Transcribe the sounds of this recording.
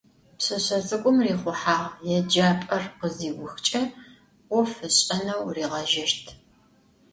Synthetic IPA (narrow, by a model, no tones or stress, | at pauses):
pɕɨɕɐzʼɨkʷʼʊmriːχʷʊħaːʁjɛd͡ʒaːpʼɐrqəziːɡʷʊxt͡ʃʼɐ | wʊfɨɕʼɐnɐwriːʁɐʒɐʃtʰ